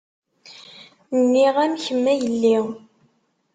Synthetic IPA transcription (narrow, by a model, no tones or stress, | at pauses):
nnːiʁæmçəmːæjəlːi